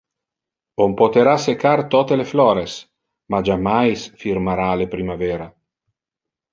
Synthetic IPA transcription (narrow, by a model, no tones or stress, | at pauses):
ompot̪eɾasekart̪ɔt̪eleflɔːɾes | mad͡ʒamajsfirmaɾaːlepɾimavɛːɾa